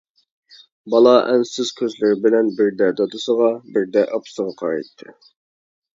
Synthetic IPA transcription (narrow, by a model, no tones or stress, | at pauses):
bɑlˠɑʔɛnsɪzkʲʰøzlɪɾɪbɪlɛnbɪɾd̪ɛd̪ɑd̪ɨsəʁɑbɪɾd̪ɛʔɑpsəʁɑqʰɑɾɑ̰jt̪ʰːɨ̰